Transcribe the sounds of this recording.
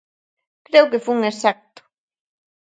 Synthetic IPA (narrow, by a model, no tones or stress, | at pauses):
kɾewkefuuŋesak̚t̪ʊ̥